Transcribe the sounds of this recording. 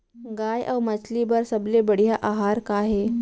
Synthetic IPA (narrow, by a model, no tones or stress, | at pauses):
ɡajʔə̰wmət͡slibəɾsəblebəɽ̤jaʔaɦaɾkaɦe